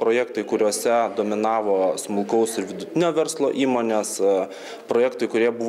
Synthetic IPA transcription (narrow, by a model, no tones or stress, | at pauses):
pɾoːjɛkt̪ɐɪkʊɾʲuɔsʲɛd̪oːmʲɪnɑːʋoːsmʊlˠkɐʊsɪɾʋʲɪd̪ʊt̪ʲɪnʲoːʋʲɛɾslˠoːʔiːmoːnʲeːs | pɾoːjɛːkt̪ɐɪkʊɾʲiɛbʊʋ